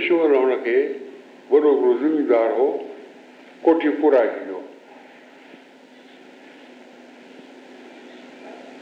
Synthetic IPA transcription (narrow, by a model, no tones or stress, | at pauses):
ʃoːləʋəɽ̃ə̆kʰeː | ʋɐɗoɡɾozɪmid̪aːɾɦo | koːʈʰipʊɾakid̪o